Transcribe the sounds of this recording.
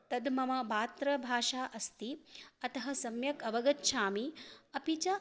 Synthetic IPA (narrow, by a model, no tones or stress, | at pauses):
t̪ɐd̪mɐmɐbaːt̪ɾɐbʱaːʃaːʔɐst̪iɐt̪ɐɦɐsɐmjɐkɐʋɐɡɐtːʃʰaːmiɐpit͡ʃɐ